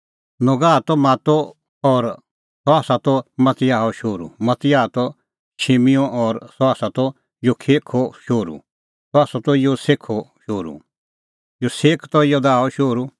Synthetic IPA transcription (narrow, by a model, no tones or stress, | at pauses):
nɔɡaːt̪ɔmaːt̪ɔ | ɔːɾ | sɔaːsat̪ɔmɐt̪ɪjaːɔʃoːɾṵmɐt̪ɪjaːt̪ɔ | ʃʰemijɔ̃ʔɔːɾsɔaːsat̪ɔ | jokʰeːkʰɔʃoːɾṵ | sɔaːsɔt̪ɔjoseːkʰɔʃoːɾṵ | joseːkʰt̪ɔjod̪aːɔʃoːɾu